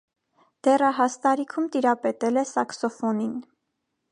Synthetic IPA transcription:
d̪̥ɛrɑɦɑst̪ɑɾikʰumt̪iɾɑpɛt̪ɛlɛsɑksɔfɔnin

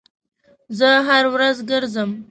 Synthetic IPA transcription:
zəɦaɾwɾazɡəɾzəm

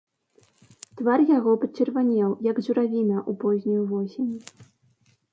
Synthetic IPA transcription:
t̪varjaɣɔpɐt͡ɕʲɛrvanʲɛwjɐɡzuɾavʲinɐʔupɔzʲnʲujuvɔsʲenʲu

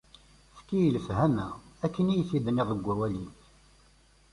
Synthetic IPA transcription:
θkːijəlfhæmæækːənijəθiðniʁəɡʷːæwæliθ

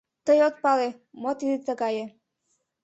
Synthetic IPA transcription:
t̪əjot̪̚pɑle | mot̪id̪it̪əɣɑje

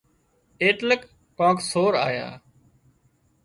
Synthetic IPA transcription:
eːʈləkː | ãːksoːɾa̰ːja̰ː

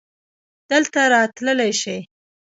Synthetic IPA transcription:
d̪̥əlt̪aɾɑt̪ləlajʃəj

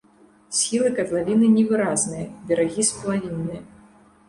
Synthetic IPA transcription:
sʲilˠɨkɐt̪lˠavʲinɨnʲɛvɨɾaznɨjɐd̪ʲɐɾaɣʲispɐlˠavʲinːɨjɐ

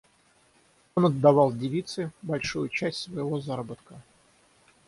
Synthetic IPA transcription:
onɐd̪ːɐvɑlˠdʲɪvʲit̪sɨbɐlʲʂujʊt͡ɕæsʲtʲsvəjɪvozaɾəbət̪̚kə

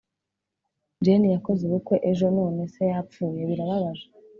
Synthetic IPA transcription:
d͡ʒenijako̞zeβuko̞ʔeʒo̞no̞ːne̞se̞jap͡fuːjeβiɾaβaβaza

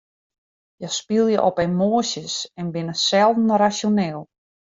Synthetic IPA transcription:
jəspilˠjəʔɔpɛnmoːəsjəsɛnbɪnəsɛlˠdn̩rasoneːlˠ

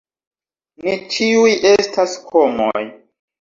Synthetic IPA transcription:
net͡ʃiujʔe̞staskʰomo̰j

